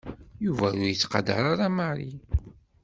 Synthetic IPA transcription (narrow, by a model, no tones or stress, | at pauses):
juvæjʊɾjət͡sːqɑd̪ə̰ɾˤaɾˤaməʕɾi